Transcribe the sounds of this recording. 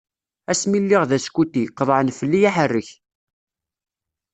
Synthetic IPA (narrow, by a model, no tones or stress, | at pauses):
æsmilːiʁðæskut̪ːiqːəðˤʕənfəlːijaħərːəç